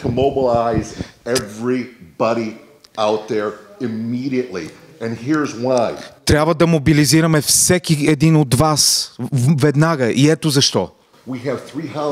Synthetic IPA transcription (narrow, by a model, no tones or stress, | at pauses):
tʰəmoʊbəlaɪzɛvɹibɑɾi | aʊt̪̚ðə˞ɪmiɾiɨʔlḭ | ɨ̃nhiɹzwaɪt̪ɾʲabvəd̪ɐmobiliziɾəmɛfsɛkiɛd̪inod̪vasvɛd̪naɡəʔiɛt̪ozɐʃt̪ɔ̰ | wiɨv̥θɹiɦʌ̃